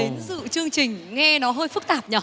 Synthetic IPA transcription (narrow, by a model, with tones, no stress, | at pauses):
e˨˦nzɨ̰˧˨t͡ɕɨ˧əŋt͡ɕï˨˩ŋ̟ŋɛ˧nɔ˨˦ɦəː˧jfɨ˦˥k̚t̪aː˨˩p̚ɲəː˨˩